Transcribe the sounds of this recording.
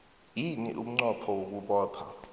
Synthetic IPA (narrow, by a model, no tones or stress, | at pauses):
jinḭʔum̩ŋ͡ǀɔpʰɔwok̬uɓɔːpʰa̰